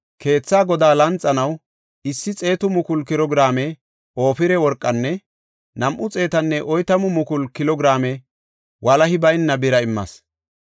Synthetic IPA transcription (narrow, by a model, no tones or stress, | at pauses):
kʰe̞ːt͡sːaːɡɔd̪aːlɐnt͡sʼːɐnɐw | ɪsːɪt͡sʼe̞ːt̪ʊmʊkʊlkɪɾɔɡɾaːmɛ | o̞ːfɪɾɛwɔɾkʼːɐnːɛ | nɐmʔʊt͡sʼe̞ːt̪ɐnːɛʔɔjt̪ɐmʊmʊkʊlkɪlɔɡɾaːmɛ | wɐlɐɦɪbɐjnːɐbɪɾɐɪmːɐ̰s